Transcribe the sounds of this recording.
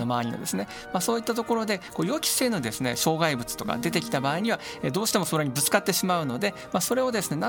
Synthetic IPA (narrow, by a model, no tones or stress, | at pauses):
nomaβaɲ̟ino̰d̪e̞sɨne̞ | masoːit̪ːat̪o̞ko̞ɾo̞d̪e̞ko̞ːjo̞ːkʲi̥se̞ːno̞d̪e̞sɨne̞ɕo̞ːɡaibɯ̟t͡sɨ̥t̪o̞ka̰d̪e̞t̪e̞kʲi̥t̪abaːiɲ̟iβaed̪o̞ːɕi̥t̪e̞mo̞soɾeɲ̟ibɯ̟t͡sɨ̥kat̪ːe̞ɕimaɯ̟no̞d̪e̞ | maso̞ɾe̞o̞d̪e̞sɨne̞na